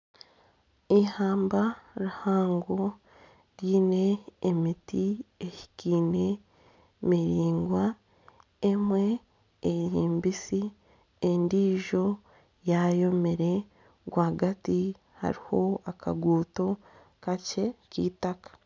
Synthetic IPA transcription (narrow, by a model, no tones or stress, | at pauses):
ihaːmbaɾuhaːŋɡo | ɾjiːne̞ːmitiehi̥kiːne̞ | miɾiːŋɡwa | emwe̞ː | ɾiːmbisi | endiːʒo̞ | jajo̞meɾe̞ | ɡwaːɡati | ha̰ɾiho̞akʰa̰ɡuːto̞ | kace̞cḭːtakḁ